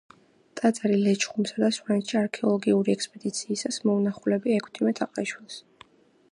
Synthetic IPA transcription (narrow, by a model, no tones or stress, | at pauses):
t̪ʼat̪sʼaɾilɛt͡ʃʰʼχumsad̪aswɾɛnt̪ʃiaɾkʰɛɔlˠɔɡiuɾiɛkspʼɛd̪it̪sʰiːsasmɔunaχulɛbiɛkʰt̪ʰimɛt̪ʰaqʼaiʃwilˠs